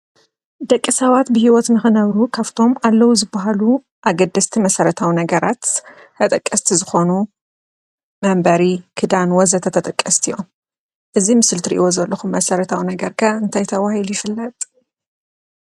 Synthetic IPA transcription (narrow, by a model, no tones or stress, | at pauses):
d̪ɐkʼːisɐβat̪bɨhiwɔt̪nɨxɨnɐβɾukʰaft̪ʰo̞malːɐwuzɨbːaɦalu | ʔaɡɐd̪ːɐst̪ʰimɐsɐɾɐt̪ʰawinɐɡɐɾat̪ː | ɐt̪ʼɐkʼːɐst̪ʰizɨxo̞nu | mɐmbɐɾikʰɨd̪anwɔzɐt̪ʰɐt̪ʰɐt̪ʼɐkʼːɐst̪ʰijo̞m | ʔɨzimɨsɨlt̪ʰɨɾḭʔiwo̞zɐlːɐxumːɐsɐɾɐt̪ʰawinɐɡɐɾkʰaɨnt̪ʰajt̪ʰɐwahilujɪfɨlːɐt̪ʼ